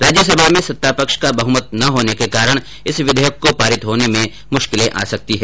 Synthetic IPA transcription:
ɾaːd͡ʒjəsɐbʱamẽsɐt̪ːapɐkʃkabɐɦʊmət̪̚nɐɦoːnekekaːɾəɽ̃ | ɪsʋɪd̪ʱejəkːopaːɾɪt̪ɦoːnemẽ | mʊʃkɪlẽʔa̰ːsɐk̚t̪iɦɛː

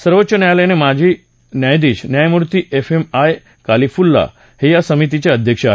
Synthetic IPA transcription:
səɾʋətːɕənəjaləinemad͡ʑi | njajd̪iʃnjajmuɾt̪iʔefemaj | kalifulːa̰ | hejasəmit̪it͡ɕeəd̪ʱjəkʃ

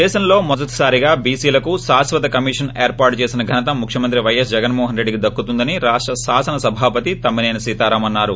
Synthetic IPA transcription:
ɛːʃɐmlo̞ːmɔd̪ɐt̪ɐ̥saːɾiɡaːbiːsiːlɐkuʃaːsʋɐt̪ɐkɐmiːʂɐneːɾpaːɾʈut͡ʃeːsinɐɡʱɐnɐt̪ɐmːukʰjɐmɐnt̪ɾiʋɐjɐs̬d͡ʒɛɡɐnmɔːɦɐnɾe̞ɖːikid̪ɐkːut̪und̪ɐniɾaːʂʈɾɐʃaːsɐnɐsɐbʱaːpɐt̪it̪ɐmːineːnɐsiːt̪aːɾaːmɐnːaːɾu

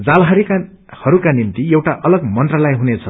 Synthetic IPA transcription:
d͡zalɦʌɾika | hʌɾukanimt̪iewʈaʔʌlʌɡmʌnt̪rʌlajɦunet͡sʰʌ

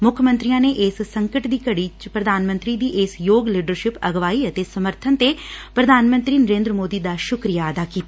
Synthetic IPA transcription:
mʊkʰmə̃nt̪ɾijãːneːʔɪːsːəŋkəʈd̪iːkəɽiːt͡ʃpɾəd̪ʱaːnmə̃nt̪ɾiːd̪iːʔɪsjoːɡliːɖəɾʃɪpəɡʋaːiːət̪eːsəməɾt̪ʰənt̪eːpɾəd̪ʱaːnmə̃nt̪ɾiːnəɾẽːnd̪ɾəmoːd̪iːd̪aːʃʊkɾijaːəd̪aːkiːt̪a

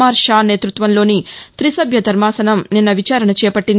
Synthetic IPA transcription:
aːɾʃaːne̞ːt̪ɾut̪ʋɐnlo̞ːnit̪ɾisɐbʱjɐd̪ʱɐɾmaːsɐnɐmninːɐʋit͡ʃaːɾɐnɐt͡ʃɛːɐpɐʈːind̪

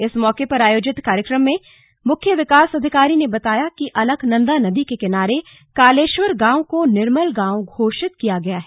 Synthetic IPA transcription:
ɪsmɔːkepɐɾaːjoːd͡ʒɪt̪kaːɾjəkɾəmːẽ | mʊkʰjəʋɪkaːsɐd̪ʱɪkaːɾinebɐt̪aːjakiʔɐləɡʱnɐ̃nd̪anɐd̪ikekɪnaːɾe | kaːleːʃwəɾɡãːõkonɪɾməlɡãːwɡʱoːʃɪt̪kijaɡɐjaɦɛ

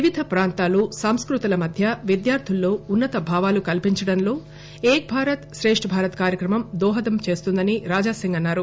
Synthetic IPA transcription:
ʋiʋid̪ʱɐpɾaːnt̪aːlusɐmskɾut̪ɐlɐmɐd̪ʱjɐʋid̪jaːɾt̪ʰilːo̞ːunːɐt̪ɐbʱaːʋaːlukɐlpiɲt͡ʃɐɽɐnlo̞ː | eːk̚bʱaːɾɐt̪ʃɾe̞ːʂʈʰɐbʱaːɾɐt̪kaːɾjɐkɾɐmɐmd̪ɔːɦɐd̪ɐmt͡ʃe̞ːst̪und̪ɐniɾaːd͡ʒaːsiŋɡɐnːaːɾu

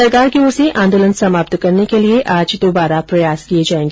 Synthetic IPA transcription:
ɐɾkaːɾkeoːɾsẽʔʔãːnd̪oːlənsɐmaːp̚t̪kɐɾnekelieʔaːd͡ʒd̪oːbaːɾapɾɐjaːskied͡ʒaːẽːŋɡeː

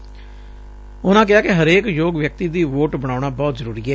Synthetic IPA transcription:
ʊnãːk̬ɪaːkɪɦəɾeːkjoːɡʋjək̚t̪iːd̪iːʋoːʈbəɽ̃aːʊɳaːbɔːt̪zəɾuːɾiːɛː

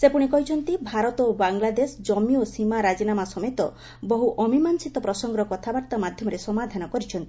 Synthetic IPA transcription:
sepuɽ̃ikɔɦit͡ʃʰɔnt̪ibʱaɾɔt̪ɔobaŋlad̪esd͡ʒɔmiosimaɾad͡ʒinamasɔmet̪ɔ | bɔɦuʔɔmimansit̪ɔpɾɔsɔŋɡɾɔkɔt̪ʰabaɾt̪amad̪ʱjɔmɔɾesɔmad̪ʱanɔkɔɾit͡ʃʰɔnt̪i̥

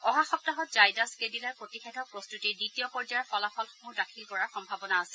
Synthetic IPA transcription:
ɔɦaxɔp̚taɦɔtzajdaskedilaɹpɹotixedʰʱɔpɹɔstutiditiɔpɔɹd͡ʒajɔxɔlaxʰɔlxmudakʰilkɔɹaxɔmbʱabɔnaːsɛl

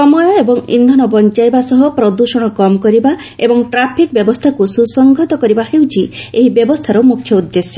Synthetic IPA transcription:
sɔmɔjɔebɔŋḭnd̪ʱɔnɔbɔnt͡ʃajbasɔɦɔpɾɔd̪uʃɔɽ̃ɔkɔmkɔɾiba | ebɔŋʈɾapʰik̚bjɔbɔst̪ʰakususɔŋɡʱɔt̪ɔkɔɾibaɦewt͡ʃʰieɦibjɔbɔst̪ʰaɾɔmukʰjɔud̪ːesjɔ

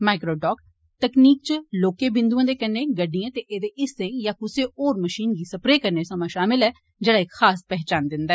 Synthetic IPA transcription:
maːɪkɾoːɖɔːk | t̪əkniːk̚t͡ʃəloːkeːbɪ̃nd̪uãːd̪eːkɛnːẽːɡəɖijãːt̪eːʔeːd̪eːʔɪsẽːjãːkʊseːʔoːɾməʃiːnɡiːsəpɾeːkəɾneːsəmãːʃaːmɪlɛː | d͡ʒeːɽaːɪkxaːspɛɦt͡ʃaːnd̪ɪnd̪aɛː

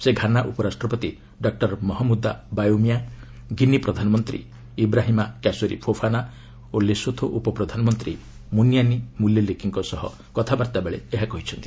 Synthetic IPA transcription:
seɡʱanaʔupɔɾasʈɾɔpɔt̪i | ɖɔk̚ʈɔɾmɔɦɔmud̪ːabajomija | ɡinipɾɔd̪ʱanɔmɔnt̪ɾḭ | ibɾaɦimakasoɾḭpʰopʰana | olesot̪ʰoʔupɔpɾɔd̪ʱanɔmɔnt̪ɾḭ | munjanimuljɔlekiŋkɔsɔɦɔ̰ | kɔt̪ʰabaɾt̪abeɭḛeɦakɔɦit͡ʃʰɔnt̪i̥

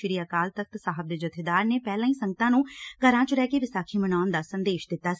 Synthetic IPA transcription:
ɪɾiːaːkaːlt̪ək̚ʰt̪saːɦəb̚d̪eːd͡ʒət̪ʰːeːd̪aːɾneːpɛːlãːĩːsəŋɡət̪ãːnũːɡəɾãːt͡ʃɾɛːkeːʋɪsaːkʰiːmənaːnd̪aːsənd̪eːʃd̪ɪt̪ːaː

